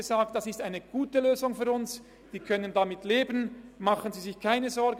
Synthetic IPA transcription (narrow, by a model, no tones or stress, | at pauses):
əzaːk̚t̚d̥asɪstaɪnəɡ̥uːtəløːzʊŋfyːɐʊns | d̥iːkʰœnəndamɪtleːbənmaχənziːzɪçkʰaɪnəzɔɾɡ